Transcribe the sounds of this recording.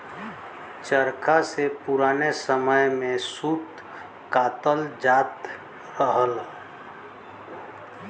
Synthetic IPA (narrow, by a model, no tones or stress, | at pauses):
t͡ʃəɾkasepuɾaːnesəməjmẽsut̪ | kaːt̪əld͡ʒaːt̪ | ɾəɦəl